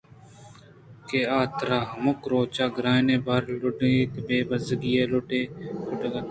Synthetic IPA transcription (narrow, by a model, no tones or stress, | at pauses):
keːaːt̪ɾaːɦmʊkɾoːt͡ʃaːɡɾaːnẽːbaɾlʊɖiːt̪beːbəzɡijeːlʊʈeːʊʈːɡa